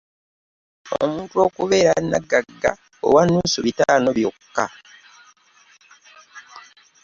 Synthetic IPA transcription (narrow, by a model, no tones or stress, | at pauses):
o̰muːntuo̞ːkuβe̞ːɾanːa̰ɡːaɡːa̰ | o̰wanːuːsuβitaːno̞βjokkːa̰